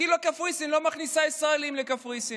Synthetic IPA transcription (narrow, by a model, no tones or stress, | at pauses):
ilokafʁisimlo̞maχnisaisʁaelimlekafʁisi